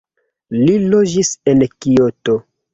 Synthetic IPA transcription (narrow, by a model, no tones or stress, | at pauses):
lilod͡ʒisenkioto